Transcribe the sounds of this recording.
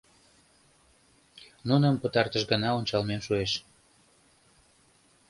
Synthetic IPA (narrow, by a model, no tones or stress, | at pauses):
nunəmpət̪ɑrt̪əʃɡənɑonʲt͡ɕɑlmemʃueʃ